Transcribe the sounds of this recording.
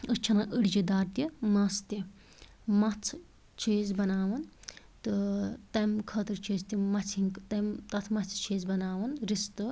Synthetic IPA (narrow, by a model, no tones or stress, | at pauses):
ət͡ʃʰɐnɐʔəɽd͡ʒid̪aːɾt̪imɐst̪i | mɐt͡sʰ | t͡ʃʰiːzbɐnaːʋɐn | t̪ɨt̪ɐmkʰɐt̪ɨɾt͡ʃʰiːzt̪imɐt͡sʰiŋkt̪ɐmt̪ɐt̪ʰmɐt͡sʰt͡ʃʰeːzbɐnaːʋɐnɾist̪ɨ